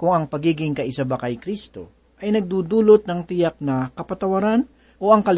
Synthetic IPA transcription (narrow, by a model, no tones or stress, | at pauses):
kʊŋɐŋpɐɡiːɡɪŋkɐʔɪsabakɐjkɾist̪o̞̰ | ʔɐjnɐɡ̚d̪uːd̪uːlot̪̚nɐŋt̪ɪjak̚nɐkɐpɐt̪ɐwɐɾan | ʔo̞ʔɐŋkɐl